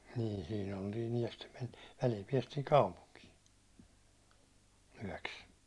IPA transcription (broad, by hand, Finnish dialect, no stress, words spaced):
niː siːn oltiːn yæ̹ jɑ stem menti̥ː ʋælil piɛstiːn̞ kɑupuŋkiː yæ̹ks